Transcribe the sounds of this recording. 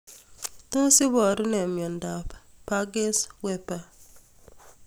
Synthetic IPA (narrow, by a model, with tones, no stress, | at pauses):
to˦sɪ˦bɔ˨ɾʊ˦nɛ˨mjɔ˨nda˨ppa˦ɡe˦swɛ˦pa˦